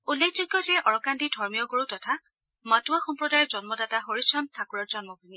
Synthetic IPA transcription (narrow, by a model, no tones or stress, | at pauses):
ulːekʰzuɡːɔzɛʔɔɹɔkandidʱɔɹmijɔɡoɹutɔtʰa | matuwaxɔmpɹɔdajɔzɔnmɔdataɦoɹisɔntʰːakuɹɔɹzɔnmɔɡʱuni